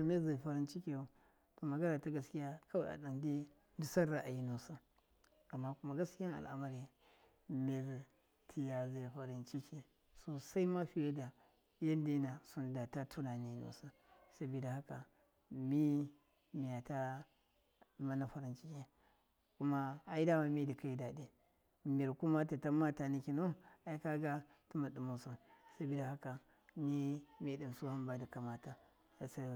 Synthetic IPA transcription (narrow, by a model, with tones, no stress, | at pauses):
a˨me˦ɾza˨fa˨ɾi˦nt͡ʃi˦ke˨o˨ | to˨ma˨ɡa˦na˨ta˦ɡa˨skʲi˦ja˦kʰa˦˨ʔa̰˨da˨nde˦ | ndu˨sa˦ɾa˨ʔa˨ji˦no˨sa˦ | a˨mːa˦ku˦ma˦ɡa˦skʲi˦ja˦a̰˨lʔa̰˨ma˦ɾi˨ | me˦ɾ | tʰi˦ja˨za˨ɸa˨ɾi˦nt͡ʃi˦kʰe˨ | so˦sa˦i˦ma˦ɸi˨je˦da˨ | ja˦n˦de˦na˨su˦nda˨ta˦tʰu˦na˨ni˦no̰˨sa˦ | sa˨bi˨da˨ha˦ka˨ | mi˦ | mi˨ja˨ta˦˨ | ma˦na˨fa˨ɾi˨nt͡ʃi˦kʲe˦ | ku˦ma˦a˨i˦da˦wa˨mi˦di˨ka˦i˦da˨de˨ | mi˨ɾku˦ma˦ta˨ta˦ma˦ta˨ni˨ki˨no˦a˨i˦ka˦ɡa˦ | tu˦ma˨du˨mo˨su˨sa˦bi˨da˨ha˦ka˨ | ni˦mi˦di˨msu˦ha˦nba˦da˨ka˨ma˨ta˦ | a˨sa˦˨